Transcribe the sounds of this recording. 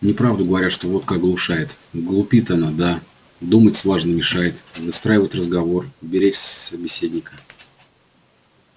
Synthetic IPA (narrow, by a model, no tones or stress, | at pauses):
nʲɪpɾavd̪ʊɡəvɐɾʲat̪ʂt̪o̞vo̞t̪kak̚ɡlˠʊʂajɪt̪ | ɡlˠʊpʲit̪ɐnad̪a | d̪umətʲslˠaʐnəmʲɪʂajɪt̪vɨst̪ɾajɪvətʲrəzɡɐvo̞rbʲɪɾʲet͡ɕsəbʲɪsʲedʲnʲɪkə